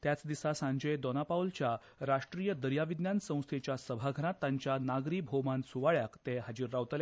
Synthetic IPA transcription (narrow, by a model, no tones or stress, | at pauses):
t̪jat͡sd̪isasãɲd͡ʑəjd̪ɔnapawlt͡ɕja | ɾaʂʈɾijəd̪əɾjaʋid̪njansə̃w̃st̪ʰet͡ɕjasəbʱaɡʱəɾãt̪ːaɲt͡ɕjanaɡɾiːbʱomãnsuʋaɭjakt̪eɦad͡ʑiɾːawt̪əlja